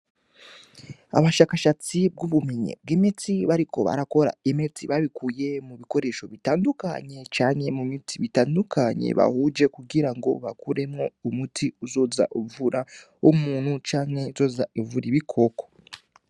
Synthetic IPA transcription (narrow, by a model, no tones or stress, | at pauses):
a̰βaʃaːkaʃat͡sibɡuβumeɲḛb̚ɡemet͡siβaɾiko̞̰βa̰ɾako̞ɾa̰emet͡siβaβikuːje̞muβiko̞ɾe̞ːʃo̞βitaːnduka̰ɲe̞t͡ʃaːŋhe̞mumitʰiβitaːndukaɲe̞̰βa̰hud͡ʒe̞kuɡiɾaŋɡo̞̰βakuɾe̞mŋo̞umutʰiuzo̞za̰ʔuvuɾa | omuːn̥hut͡ʃaːŋhe̞izo̞ːzaivuɾiβikʰo̞ko